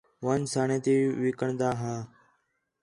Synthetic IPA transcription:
ʋãːnsaːɳẽːt̪iːʋɪːkəɳd̪aːɦãː

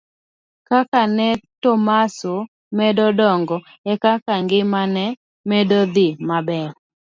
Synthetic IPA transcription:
kakanɛtɔmasʊ | mɛdɔdɔŋɡɔ | ɛkakaŋɡɪmanɛ | mɛdɔd̪ɪmabɛɾ

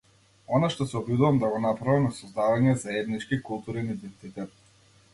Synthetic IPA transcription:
ɔnaʃt̪ɔsɛɔbjud̪uvamd̪aɡɔnapɾavimnasɔzd̪avaɲɛzaɛd̪nit͡ʃkikulˠt̪uɾinid̪ɛnt̪it̪ɛt̪̚

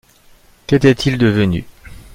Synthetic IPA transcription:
kɛt̪ɛt̪ʰild̪əvəny̰

